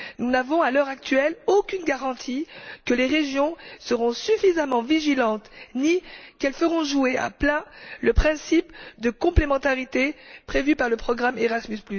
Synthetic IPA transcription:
nunavɔ̃alœʁak̚t̪ɥɛlokʲynɡaʁɑ̃t̪ʰikəleʁeʒjɔ̃səʁɔ̃syfizamɑ̃viʒilɑ̃t̪nikɛlfəʁɔ̃ʒuea̰plɛ̃ləpχɛ̃sipd̪əkɔ̃plemɑ̃t̪aʁit̪epχevypaʁləpχɔɡʁameʁasmysplys

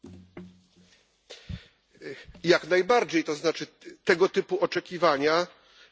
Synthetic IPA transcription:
jaknajbaɾd͡ʑejt̪ɔznat͡ʂɘ | t̪ɛɡɔt̪ɘpuɔt͡ʂɛkʲivaɲa

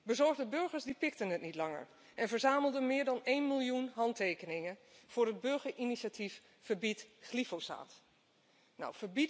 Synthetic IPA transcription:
bəzɔɹχdəbɵɹχəɹsdipɪk̚tənɦətnitlɑŋə̰ɹ | ʔɛnvəɹzaːməlˠdənmɪːɹdɑnejnmilˠjunɦɑntejkənɪŋənv̥ʊːɹəd̚bøɹχəɹʔiniʃatʰif | fəɹbitχlifosa̰ːt | nɔ̰wfəɹbit

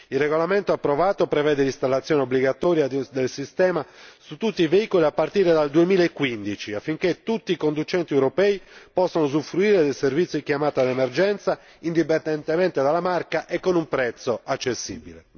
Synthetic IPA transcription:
ilreɣolament̪oapːɾovaːt̪opɾevɛːd̪elist̪alːat̪sːjɔːneobliɡat̪ɔːɾjad̪elsist̪ɛːmasut̪ːut̪ːiveiːkoliapːart̪iːɾed̪ald̪uemiːlaekːwind̪it͡ʃiafːiŋk̟et̪ut̪ːiːkond̪ut͡ʃɛnt̪iewɾopɛːipɔsːanozufɾuiːɾed̪ejservit̪sjikjamaːt̪ad̪ɛmerd͡ʒɛnt̪sa | ind̪ip̬end̪ɛnt̪emɛnt̪ed̪alːamarkaʔekːonumpɾɛt̪soat͡ʃːesːḭːbḭle

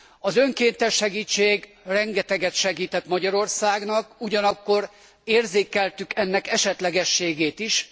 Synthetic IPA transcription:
ɒzø̞ŋkeːnt̪ɛʃːɛɡiːt͡ʃːeːɡ | rɛŋɡɛt̪ɛɡɛt̪ʃɛɡiːt̪ɛt̪mɒɟɒɾo̞rsaːɡnɒkuɟɒnɒkːo̞r | eːrzeːkɛlt̪ykɛnːɛkɛʃɛt̪lɛɡɛʃːeːɡeːt̪iʃ

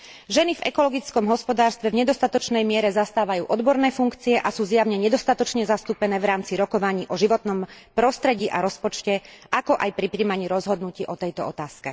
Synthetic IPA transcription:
ʒɛnivɛkɔlɔɡit͡skɔmɦɔspɔd̪aːɾst̪ʋɛvɲɛd̪ɔst̪at̪ɔt͡ʃnɛjmɪɛɾɛzast̪aːʋajṵːʔɔd̪bɔɾnɛːfuŋkt͡siɛʔasuːzjaʊɲɛɲɛd̪ɔst̪at̪ɔt͡ʃɲɛzast̪uːpɛnɛːʋɾaːmt͡siɾɔkɔʋaɲiːʔɔʒiʋɔt̪nɔmpɾɔst̪ɾɛɟiːʔaɾɔspɔt͡ʃcɛʔakɔʔajpɾipɾiːmaɲiːɾɔzɦɔd̪nuciːʔɔt̪ɛjt̪ɔɔt̪aːskɛ

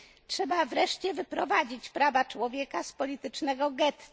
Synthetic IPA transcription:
tʂɛbavɾɛʂt͡ɕɛvɘpɾɔvad͡ʑit͡ɕpɾavat͡ʂwɔvʲjɛkaspɔlʲit̪ɘt͡ʂnɛɡɔɡɛt̪

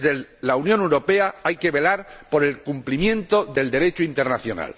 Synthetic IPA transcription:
ðelaunjõ̞newɾo̞pe̞aajke̞βe̞laɾpo̞ɾe̞lkumplimjẽ̞nt̪o̞ðe̞ld̪e̞ɾe̞t͡ʃoint̪e̞ɾnaθjo̞na̰l

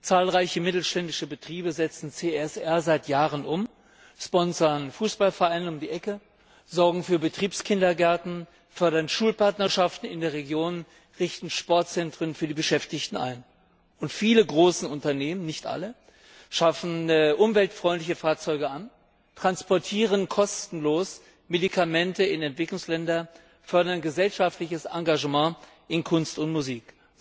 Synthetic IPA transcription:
t͡saːlʁaɪçəmɪtl̩ʃtɛndɪʃəbətʁ̥iːbəzɛt͡sn̩t͡seɛsʔɛɐzaɪtjaːʁənʔʊm | ʃpɔnsɐnfuːsb̥alfɛɐʔaɪnənʊmdiːʔɛkə | zɔɐɡŋ̩fyːɐbətʁ̥iːpskʰɪndɐɡɛɐtn̩ | fœɐɾɐnʃuːlpaɐtnɐʃaftn̩ɪ̰ndeːɐʁeɡjoːn | ʁɪçtn̩ʃpɔɐt̚t͡sɛntʁ̥ənfyːɐdiːbəʃɛftɪçtn̩ʔa̰ɪn | ʔʊntfiːləɡʁoːsn̩ʊntɐneːmənɪçtʔa̰lə | ʃafn̩ʔʊmvɛltfʁ̥ɔʏntlɪçəfaːɐt͡sɔʏɡəan | tʁ̥anspɔɐtʰiːʁ̞ənkʰɔstn̩loːs | medikʰamɛntəɪnɛntv̥ɪklʊŋslɛndɐ | fœɐdɐnɡəzɛlʃaftlɪçəsʔaŋɡaʒəmãː | ʔɪnkʰʊnstʊntmuziːk

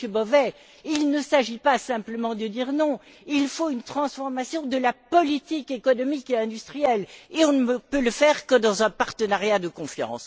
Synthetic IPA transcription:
əbɔvɛ | ilnəsaʒipasɛ̃pləmɑ̃d̪əd̪iʁnɔ̃ | ilfoynt̪χɑ̃sfɔʁmasjɔ̃d̪əlapɔlit̪ikekɔnɔmikeɛ̃d̪yst̪χijɛleɔ̃nəpøləfɛʁkəd̪ɑ̃zɛ̃paʁt̪ənaʁjad̪əkɔ̃fjɑ̰̃s

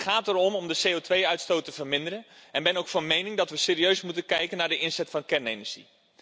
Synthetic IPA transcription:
χaːtərɔmɔmdəsejotʋejœɥtstowtəvərmɪndəɾənʔɛnbɛnowkfɑnmejnɪŋdɑtʋəseːɾiøɥsmutənkɛjkənːaːɹdəʔɪnsɛtfɑnkɛɹnejnəɹʒ̥ḭ

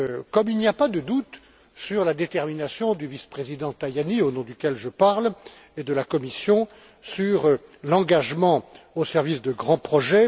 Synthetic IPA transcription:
kɔmilniapad̪əd̪ut̪ | syʁlad̪et̪ɛʁminasjɔ̃d̪yvispχezid̪ɑ̃t̪ajanionɔ̃d̪ykʲɛlʒəpaʁl | ed̪əlakɔmisjɔ̃ | syʁlɑ̃ɡaʒmɑ̃osɛʁvisd̪əɡʁɑ̃pχɔʒɛ

